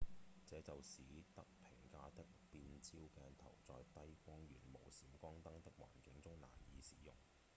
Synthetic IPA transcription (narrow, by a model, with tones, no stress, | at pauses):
t͡sɛː˨˥t͡sɐ˨wsiː˨˥t̪ɐ˥k̚pʰɪ˨˩ŋkaː˧t̪ɪ˥k̚piː˨˧nt͡siː˥wkɛː˧nt̪ʰɐ̰˨˩wt͡sɔː˨jt̪ɐ˥jkʷɔː˥ŋjyː˨˩nmo˨˩wsiː˨˥mkʷɔː˥ŋt̪ɐ˥ŋt̪ɪ˥k̚wa̰ː˨˩nkɪ˨˥ŋt͡sʊ˥ŋla̰ː˨˩njiː˨˥sḭː˨˥jʊ˨˩ŋ